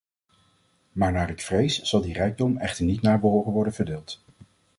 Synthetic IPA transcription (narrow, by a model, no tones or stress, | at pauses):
maːɹnaːɹɪkfrejsz̥ɑlˠdirɛjɡ̚dɔmɛχtəɹnitnaːɹbəɦowχənʋɔɹdənv̥əɹdeːlˠt